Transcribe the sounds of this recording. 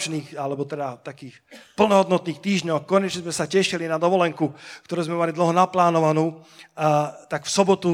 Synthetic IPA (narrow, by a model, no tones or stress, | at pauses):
t͡ʃniːxalɛbɔt̪ɛd̪at̪akiːxpl̩nɔɦɔd̪nɔt̪niːxt̪iːʒɲɔxkːɔɲɛt͡ʃɲɛzmɛsacɛʃilinad̪ɔʋɔlɛŋkukt̪ɔɾuːzmɛmalid̪l̩ɦɔnaplaːnɔʋanuː | t̪aɡfsɔbɔt̪u